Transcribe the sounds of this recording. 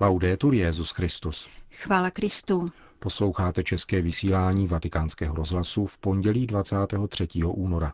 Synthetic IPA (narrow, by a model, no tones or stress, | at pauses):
lawdɛːt̪uɾjɛzuskɾɪst̪usxvaːlakɾɪst̪uː | po̞slo̞wxaːt̪ɛt͡ʃɛskɛːvɪsiːlaːɲiːvat̪ɪkaːnskɛːɦoɾo̞zɦlasufpo̞ɲɟɛliːdvat͡saːt̪ɛːɦo̞t̪r̝̥ɛciːɦo̞ʔuːno̞ɾa